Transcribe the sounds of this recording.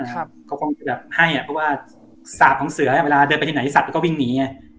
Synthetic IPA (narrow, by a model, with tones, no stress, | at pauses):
aː˧˩˧kɔː˥˩kʰo˧ŋt͡ɕa˧bɛː˨˩p̚ha˥˩jʔa˨˩pʰɔ˥˩waː˥˩ | saː˨˩p̚kɔ˩˦ŋsɯ˨˩˦ɐa˨we˧laː˧dɤː˧npa˧tʰna˦i˦˥˧a˨˩p̚lːkɔ˥˩wi˧˩ŋniː˩˦ɲa˧˩